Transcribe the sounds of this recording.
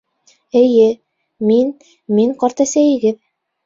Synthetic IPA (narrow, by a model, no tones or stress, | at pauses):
ɘ̆jɘ | min | miŋqɑɾt̪ɑsæjɘ̆ɡɘð